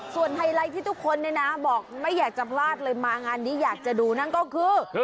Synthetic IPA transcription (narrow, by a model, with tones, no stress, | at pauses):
su˨˩ənɦa˧jɾa˧jt̪ʰiː˥˩t̪ʰu˦˥kʰːo˧nːi˥˩˨na˦˥bɔː˨˩k̚ma˥˩jːaː˨˩k̚t͡ɕa˨˩pʰlaː˥˩t̪̚lɤː˧jmaː˧ŋaː˧nːiː˦˥jaː˨˩k̚t͡ɕa˨˩duː˧na˥˩nkɔː˥˩kʰɯː˧